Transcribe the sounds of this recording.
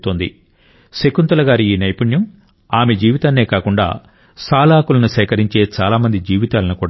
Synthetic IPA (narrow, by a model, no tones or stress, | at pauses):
t̪oːnd̪ḭ | sekunt̪ɐlɐɡaːɾiiːnɐjpuɳjɐm | aːme̞d͡ʒiːʋit̪aːnːe̞ːkaːkuɳɖa̰ː | saːlaːkulɐnusɐjkɐɾiɲt͡ʃe̞ːt͡ʃaːlaːmɐnd̪id͡ʒiːʋit̪aːlɐnukuːɽa